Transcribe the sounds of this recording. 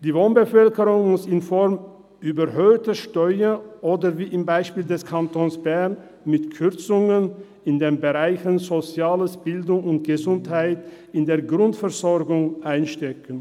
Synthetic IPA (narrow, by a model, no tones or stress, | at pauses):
d̥iːvoːnbəfœlkəʁʊŋmʊsɪnfɔʁm | ʔyːbɐɦøːtəʃtɔʏəʔoːdɐviːʔɪmbaɪʃpiːldɛskʰantʰoːnsb̥ɛɐn | mɪtkʰʏɐt͡sʊŋən | ɪndeːnbəʁaɪçənzot͡sjaːləsb̥ɪldʊŋʊnt̚ɡ̥əzʊnthaɪt | ɪndeːɐɡʁʊntfɛɐzɔʁɡʊŋʔaɪnʃtɛkən